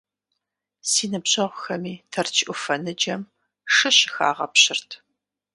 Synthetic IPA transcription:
siːnɨbɕʼɐʁʷxɐmiːtʰɐrt͡ʃʰʼʔʊfɐnɨd͡ʒɐm | ʂɨɕxa̰ːʁɐ̰pɕɪrtʰ

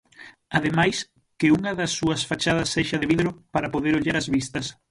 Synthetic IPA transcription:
aðemajs | kɪuŋɐðɐsːuɐsfat͡ʃað̞ɐsːeʃɐðeβiðɾʊpaɾɐpoðeɾoʎaɾɐzβist̪ɐs

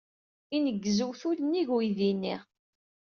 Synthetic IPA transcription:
inəɡːəzəwθulənːiʝwiðinːiʁ

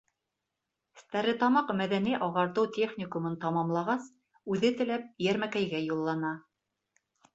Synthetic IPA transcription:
ɘ̆st̪æɾɘ̆t̪ɑmɑqmæðæniʔɑʁɑɾt̪ɤwt̪ʲeχnʲɪkumɤnt̪ɑmɑmlˠɑʁɑs | ʉðɘt̪ɘ̆læp̚jæɾmækæjɡæjulˠːɑnɑ

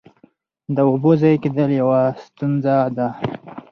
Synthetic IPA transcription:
d̪əobozajked̪əljawast̪unzad̪a

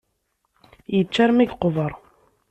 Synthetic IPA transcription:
jət͡ʃːæɾmiɡqovəɾˤ

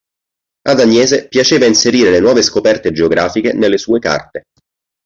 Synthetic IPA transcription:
ad̪anjɛːzepjat͡ʃeːvainseɾiːɾelenwɔːveskopɛrt̪ed͡ʒeoɡɾaːfikenelːesuːeka̰rt̪e

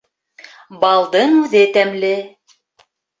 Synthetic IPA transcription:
bɑlˠd̪ɤɴʉðɘt̪æmlɘ

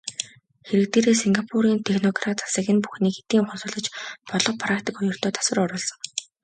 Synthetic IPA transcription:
xeɾɘ̆k̚t̪eːɾeːsiŋɡapʰuɾiːnt̪ʰexnɔɡrat̪ḁsə̆ɣʲɪ̆npuxniːkxe̥t̪iːŋχʊnsʊ̆ːɮɞ̆t͡ɕpɔɮɞ̆q̚pʰɾakt̪ikʊjɞ̆r̥t̪ʰœːt̪ʰḁsə̆rɔɾʊːɮsɞ̆ŋ

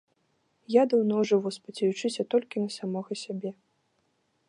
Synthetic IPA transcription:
jad̪ɐwnɔwʐɨvɔspɐt͡sʲɛjut͡ʂɨsʲɐt̪ɔlʲkʲinɐsamɔɣɐsʲabʲɛ

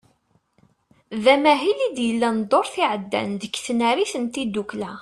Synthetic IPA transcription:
ðæmæɦilid̪jəlːænd̪ˤoɾˤθiʕəd̪ːæ̰nd̪əkːθnæɾiθənt̪id̪uklæ

